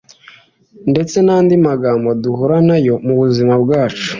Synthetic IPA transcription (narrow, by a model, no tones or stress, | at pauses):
nde̞t͡se̞naːndimaɡaːmboduɦuɾanajo̞muβuzimabɡaːt͡ʃu̥